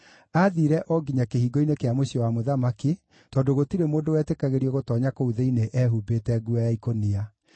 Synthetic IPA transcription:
aðiɾɛʔɔɡiɲakeɦiːɡɔinekeamoɕiɔwamoðamaki | tɔːdoɣotiɾemoːndowɛːtekaɣeɾiɔɣotɔːɲakouðeineʔɛːɦubeːtɛɡuajaikonia

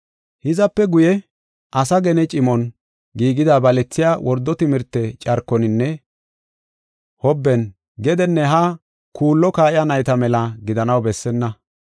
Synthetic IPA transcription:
hɪzɐpːɛɡʊjɛ | ʔɐsɐɡɛnɛt͡ʃʼɪmɔn | ɡiːɡɪd̪abɐlɛt͡sːɪjawʔɔɾd̪ːɔt̪ɪmɪɾt̪ːɛt͡ʃʼɐɾkːɔnɪnːɛ | hɔbːɛn | ɡɛd̪ɛnːɛɦa | kuːlːɔkaːʔɪjanɐjt̪ɐmɛlɐɡɪd̪ɐnɐwbɛsːɛnːɐ

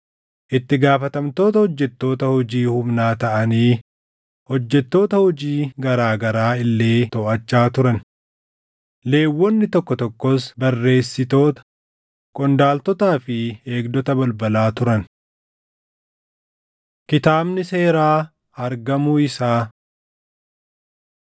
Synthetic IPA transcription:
ʔɪt̪ːɪɡaːfɐt̪ɐmt̪o̞ːt̪ɐhɔd͡ʒːɛt̪ːo̞ːt̪ɐhɔd͡ʒiːhʊmnaːt̪ɐʔɐniː | hɔd͡ʒːɛt̪ːo̞ːt̪ɐhɔd͡ʒiːɡɐɾaːɡɐɾaːɪlːe̞ːt̪ɔʔɐt͡ʃːaːt̪ʊɾɐn | le̞ːwːɔnːɪt̪ɔkːɔt̪ɔkːɔsbɐrːe̞ːsːɪt̪o̞ːt̪ɐ̥ | kʼɔnd̪aːlt̪ɔt̪aːfɪe̞ːɡd̪ɔt̪ɐbɐlbɐlaːt̪ʊɾɐn | kɪt̪aːbnɪse̞ːɾaː | ɐɾɡɐmuɪsaː

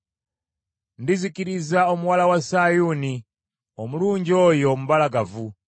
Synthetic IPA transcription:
ndizikiɾizaɔmuwalawasajuni | ɔmuluɲd͡ʒɔjɔm̩balaɡavu

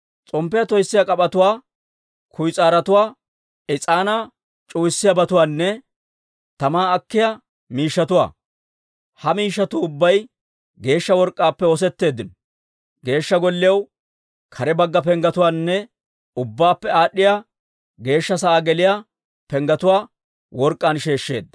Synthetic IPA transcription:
t͡sʼɔmpːɪjɐt̪ɔjsːɪjakʼɐpʼɐt̪ʊwaː | kʰʊjt͡sʼaːɾɐt̪ʊwaː | ɪt͡sʼaːna | t͡ʃʼuːjsːɪjɐbɐt̪ʊwaːnːɛ | t̪ɐmaːɐkːɪjɐ | miːʃːɐt̪ʊwa̰ː | hɐmiːʃːɐt̪ʊːbːɐj | ɡe̞ːʃːɐwɔɾkʼːaːpːɛɔs̬ɛt̪ːe̞ːd̪ːɪnɔ | ɡe̞ːʃːɐɡɔlːɪjɐw | kʰɐɾɛbɐɡːɐp̬ɛŋɡɐt̪ʊwaːnːɛ | ʊbːaːpːɛaːɗːɪjaː | ɡe̞ːʃːɐsɐʔaːɡɛlɪja | pɛŋɡɐt̪ʊwaː | wɔɾkʼːaːnʃe̞ːʃːe̞̰ːd̪ːɐ

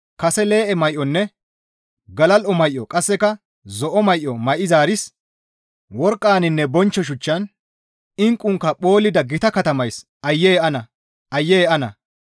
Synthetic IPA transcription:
kɐsɛle̞ːʔɛmɐjʔːɔnːɛ | ɡɐlɐlʔɔmɐjʔɔkʼɐsːɛkɐ | zɔʔɔmɐjʔːɔmɐjʔɪzaːɾɪs | wɔɾkʼːaːnɪnːɛbɔnt͡ʃːɔʃ̬ʊt͡ʃːɐn | ɪŋkʼːʊŋkːɐɓo̞ːlɪd̪ɐɡɪt̪ɐkɐt̪ɐmɐjs | ɐjːeːʔɐnɐ | ʔɐjːeːɐnɐ̰

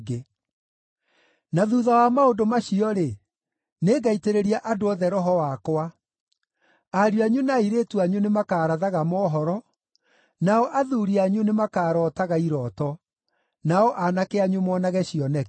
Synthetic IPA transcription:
ɡe | naðuːðawamaodomaɕiɔɾe | neːɡaiteɾeɾiaʔadoɔðɛɾɔɦɔwakwa | aɾjuaɲunaiɾetuaɲunemakaːɾaðaɣamɔːɦɔɾɔ | naɔʔaðuːɾiaɲunemakaːɾɔːtaɣaiɾɔːtɔ | naɔʔanakeaɲumɔːnaɣɛɕiɔnɛ

